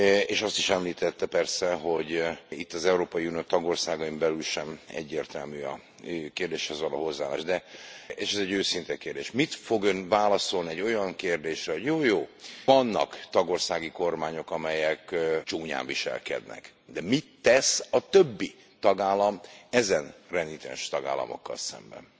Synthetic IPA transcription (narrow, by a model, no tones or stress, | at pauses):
eːʃɒst̪iʃɛmliːt̪ɛt̪ːɛpɛrsɛɦo̞ɟit̪ːɒzɛuɾoːpɒiunioːt̪ɒɡo̞rsaːɡɒimbɛlylʃɛmɛ̰ɟːeːrt̪ɛlmyːɒ̰ | økeːrd̪eːʃhɛzvɒlo̰ːɦo̞zːaːla̰ːʒd̪ɛeːʃɛzɛɟøːsint̪ɛkeːrd̪eːʃmit̪fo̞ɡjønvaːlɒso̞lniɛɟːo̞jɒŋkeːrd̪eːʃrɛɦoɟjoːjoːɒnːɒ̰kt̪ɒɡo̞rsaːɡiko̞rmaːɲo̞kɒmɛjɛkt͡ʃuːɲa̰ːɱviʃɛ̰lkɛ̰d̪nɛ̰k | d̪ɛmit̪ːɛsɒt̪øbːi | t̪ɒɡaːlːɒmɛzɛnrɛnit̪ɛ̰nʃt̪ɒɡa̰ːlːɒ̰mo̞̰kːɒ̰lsɛ̰mbɛ̰n